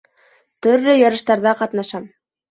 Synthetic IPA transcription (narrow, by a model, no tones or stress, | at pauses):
t̪ɵ̆ɾlːɘjɑɾɤ̆ʃt̪ɑɾðɑqɑt̪nɑʃɑm